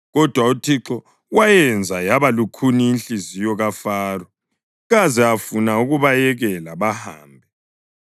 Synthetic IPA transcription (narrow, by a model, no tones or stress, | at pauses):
ɣɔd̥ʱwautʰiǁɔ | wajɛnd͡zʱajaβalukʰuniːnɬizijɔɣafaːrɔ | ɣazɛafunauɣuβajɛɣɛlaβaha̰ːmbʱɛ